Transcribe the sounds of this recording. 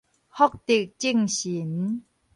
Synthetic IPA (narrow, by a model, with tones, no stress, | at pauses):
hɔ˥˨k̚t̪i˨˩k̚t͡ɕi˥˨ŋɕi˨˦n